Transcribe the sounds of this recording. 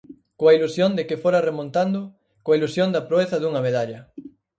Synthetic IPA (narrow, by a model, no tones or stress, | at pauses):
koɐilusjond̪ekɪfoɾɐremõnt̪and̪ʊ | koɐilusjond̪ɐpɾoeθɐðuŋɐmeðaʎɐ